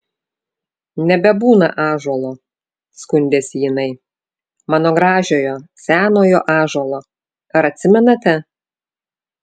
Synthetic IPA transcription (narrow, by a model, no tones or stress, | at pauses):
nʲɛbʲɛbuːnɐ̰ʔɑːʒoːlˠoː | skʊnʲd̪ʲeːsʲjɪnɐɪ | mɑːnoːɡɾɑːʒʲoːjoːsʲæːnoːjoːʔɑːʒoːlˠoː | ɐɾɐt̪ʲsʲɪmʲɛnɐt̪ʲɛ